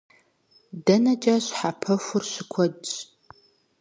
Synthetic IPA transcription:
dɐnɐt͡ʃʼaɕħapʰɐfʷʊrɕɪkʷʰɔdt͡ʃʼ

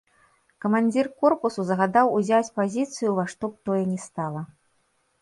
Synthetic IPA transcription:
kɐmanʲd͡zʲirkɔrpusuzɐɣad̪awuzʲat͡sʲpazʲit̪sɨjuvaʂt̪ɔp̚t̪ɔjɛnʲɛst̪alˠɐ

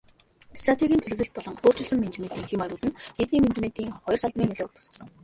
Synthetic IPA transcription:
st̪rat̪ʰeɣʲiːnt̪ʰeɮɘ̆wɮɘ̆ɬt̪̚pɔɮɞ̆ŋoːr̥t͡ɕɪ̆ɮsə̆mːent͡ɕment̪iːŋxemaɾʊːt̪ɘ̆net̪niːment͡ɕment̪iːŋχɔjɞrsaɮt̪̆mʲiːneɮeːʊt̪ʰʊ̥̆sḁ̆sə̆ŋ

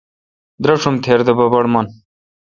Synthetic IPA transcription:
d̪ɾɐʂumt̪ʰeːɾd̪ɐbɐbɐɽmɐn

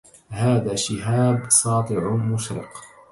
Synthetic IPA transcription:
haːðaːʃɪɦaːbsˤɑːt̪ˤɨʕʊmʊʃɾɪ̰q

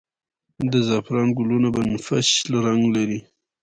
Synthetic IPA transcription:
d̪əzɑpɾɑnɡʊlunabanfaʃlaɾaŋɡlaɾi

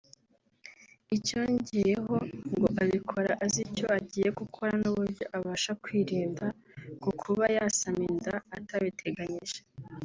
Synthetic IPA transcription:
ico̞ɲɟijeɦo̞ŋɡo̞ʔaβikʰo̞ɾaʔazico̞aɟiːje̞ɡukʰo̞ɾanuβuɾɟo̞ʔaβaːʃakwiːɾiːnda | kukʰuβajasamindaːtaβitʰe̞ɡaɲiʒe

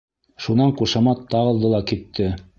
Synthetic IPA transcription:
ʃunɑɴquʃɑmɑt̪ːɑʁɤ̆lˠd̪ɤlˠɑkit̪ʰːɘ

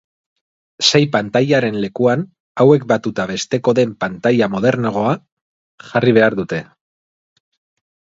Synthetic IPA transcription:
se̞jpant̪ajaɾe̞nle̞kuan | awe̞k̚bat̪ut̪aβe̞st̪e̞ko̞ðe̞mpant̪ajamo̞ð̞e̞ɾnoɣ̞o̞a | ʝariβ̞e̞aɾðut̪e̞

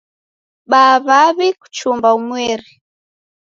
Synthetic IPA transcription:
ɓaβaβiku̥t͡ʃumbaumwɛɾi

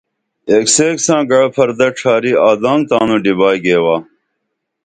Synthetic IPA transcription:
ekseːksãːɡɐɽpʰɐɾd̪ɐʈ͡ʂʰaːɾiaːd̪ãːŋɡt̪ãːnũɖibaːjɡeːwaː

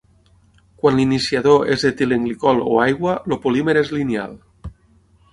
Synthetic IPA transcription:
kwanlinisjaðoezðet̪ileŋɡlikɔlo̰ajɣwalopolimeɾezlinja̰l

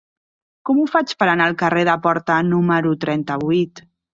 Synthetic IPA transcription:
kɔmufat͡ʃpəɾanalˠkəreðəpɔɾt̪ənuməɾut̪ɾɛnt̪əβuijt̪

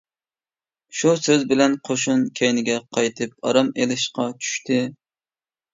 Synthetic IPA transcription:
ʃusøzbɪlɛnqʰoʃunkʲʰɛjnɪɡʲɛqʰɑjt̪ʰɨp̚ɑ̰ɾɑmelɪʃqɑt͡ʃʰy̥ʃt̪ʰɪ

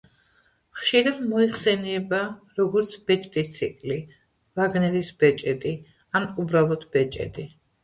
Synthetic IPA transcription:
χʃiɾad̪mɔiχsɛnɛbaɾɔɡɔɾt̪sʰb̥ɛt͡ʃʼt̪ʼist̪sʰikʼli | laɡnɛɾisbɛt͡ʃʼɛt̪ʼi | anubɾalˠɔd̪bɛt͡ʃʼɛ̰t̪ʼi

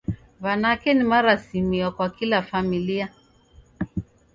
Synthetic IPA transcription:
βanakɛnimaɾasimiɔkwakilafamilia

